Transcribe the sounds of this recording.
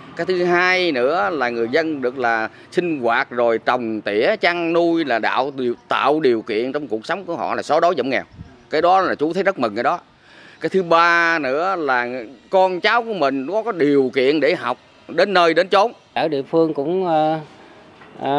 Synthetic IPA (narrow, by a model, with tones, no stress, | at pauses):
kaː˨˦jt̪ʰɨ˨˦ɦaː˧jnɨ̰˧˥əlaː˨˩ŋɨ˨˩əjzə˧nɗɨ˨˩ək̚laː˨˩ | sï˧ŋ̟ɣwaː˨˩t̚zo˨˩jt͡ɕə˨˩wŋ͡mt̪ḭ˧˥ət͡ɕa˧ŋnu˧jlaː˨˩ɗa̰ː˧˨wi˨˩t̪a̰ː˧˨wɗi˨˩əwkḭ˧˨ənt͡ɕwŋ͡mku˨˩ək̚sa˨˦wŋ͡mku˧˩əɦɔ̰˧˨laː˨˩sɔ˨˦ɗo˨˦jzə̰˧˨˩ŋ͡mŋɛ̰˨˩w | kaː˨˦jɗɔ˨˦laː˨˩t͡ɕu˨˦t̪ʰə˨˦zə˦˥t̚mə̰˨˩ŋkaː˧˦jɗɔ˨˦ | kaː˨˦jt̪ʰɨ˨˦ɓaː˧nɨ̰˧˥əlaː˨˩kɔ˧nt͡ɕaː˨˦wku˧˩əmï˨˩ŋ̟kɔ˨˦kɔ˨˦jɗi˨˩əwkḭ˧˨ənɗe˧˩ɦa˨˩wk͡p̚ | ɗe˨˦nːəː˧jɗe˨˦nt͡ɕo˨˦n | aː˧˩ɗḭ˧˨əfɨ˧əŋkʊ̰˧˥ŋ͡m